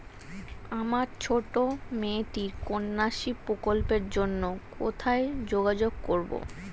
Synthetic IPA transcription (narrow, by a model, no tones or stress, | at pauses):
amaɾt͡ɕʰoʈomeʈiɾkonːaʃipɾokolpeɾd͡ʑonːoko̰t̪ʰaed͡ʑoɡad͡ʑoɡ̚koɾbo̰